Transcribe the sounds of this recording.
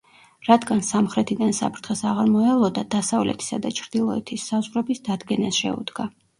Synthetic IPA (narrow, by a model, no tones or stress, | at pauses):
ɾad̪ɡansamχɾɛt̪ʰid̪ansa̰pʰɾt̪ʰχɛsaʁaɾmɔɛlˠɔd̪ad̪asavlɛ̰t̪ʰi̥sad̪at͡ʃʰɾd̪ilˠɔɛ̰t̪ʰisːazʁɾɛbisd̪ad̪ɡɛnasʃɛ̰ṵd̪ɡa